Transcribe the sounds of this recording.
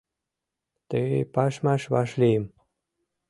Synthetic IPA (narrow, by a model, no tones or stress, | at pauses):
t̪əɣejpɑʃmɑʃβɑ̰ʃlejəm